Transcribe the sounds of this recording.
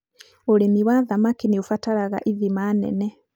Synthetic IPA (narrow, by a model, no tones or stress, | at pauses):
olemiwaðamakiniufatalaɣa̰ʔiðimanḛne